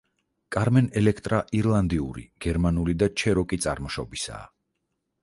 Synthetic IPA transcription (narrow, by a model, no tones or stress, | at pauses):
kʼaɾmɛnɛlɛkʰt̪ʼɾaʔiɾlˠand̪iuɾḭɡ̥ɛɾmanulid̪at͡ʃʰɛɾɔkʼit̪sʼa̰ɾmɔʃɔ̰bisa̰ː